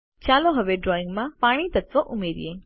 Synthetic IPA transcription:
t͡ʃaloɦəʋeɖɾɔĩŋɡmãpaɽ̃it̪ət̪ʋoʔumeɾḭje

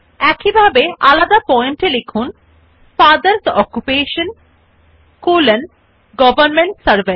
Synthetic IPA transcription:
ɛkibʱabeʔalad̪apɔemʈilekʰun | faɾd̪ɐɾsɔkːupeːʃən | kulen | ɡɔbɐɾnmeɳʈsɐɾbe

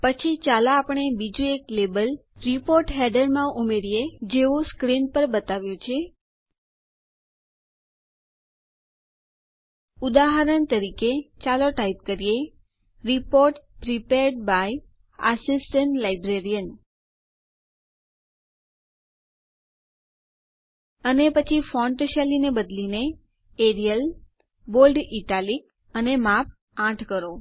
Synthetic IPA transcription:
pət͡ʃʰit͡ʃalaːpəɳebid͡ʒũeklebəlɾipoɾʈɦɛɖəɾmãʔumeɾjed͡ʒeʋõskɾinpəɾbət̪aʋjot͡ʃʰe | ud̪aɦəɾəɳt̪əɾiket͡ʃaloʈaip̚kəɾije | ɾipoɾʈpɾipeɾɖ̚baj | ə̰sisʈəɳʈlajbɾeɾijən | ənepət͡ʃʰifɔ̃ɳʈʃalinebəd̪line | eɾijəl | bolɖiʈalik | ənemap̚ | ãʈʰkəɾo

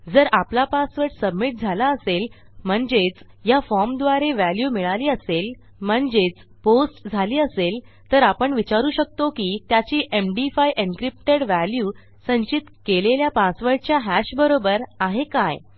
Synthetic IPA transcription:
d͡zəɾaplapasʋəɾɖsəbmiʈ̚d͡zʱalaəsel | m̤əɳd͡zet͡s | jafɔɾmd̪ʋaɾeʋæljuːmiɭaliːəsel | m̤əɳd͡zet͡s | posʈd͡zʱaliːəsel | t̪əɾapəɳʋit͡ɕaɾuːɕək̚t̪okiːt̪jat͡ɕiːʔemɖifajʔeŋkɾip̚ʈeɽʋæljuː | sə̃ɲt͡ɕit̪keleljapasʋəɾɖ̚t͡ɕjaɦæɕbəɾobəɾaɦekaj

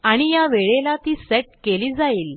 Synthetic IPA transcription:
aɽ̃ijaʋeɭelat̪iːseʈ̚keliːd͡zaiːl

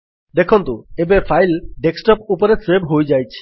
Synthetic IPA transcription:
d̪ekʰɔnt̪uebepʰajlɖeksʈɔpupɔɾesebʱɦojd͡ʒajt͡ʃʰi̥

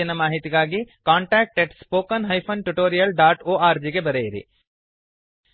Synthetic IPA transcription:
inɐmaːɦit̪iɡaːɡikaːɳʈaːk̚ʈeʈspoːkɐnɦɐjpʰɐnʈuʈoːɾijɐlɖaːʈoːaːɾd͡ʒiɡe̞bɐɾejiɾḭ

